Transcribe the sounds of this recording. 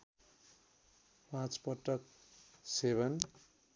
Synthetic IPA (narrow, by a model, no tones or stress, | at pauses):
pãt͡spʌʈːʌk̚ | sebʌn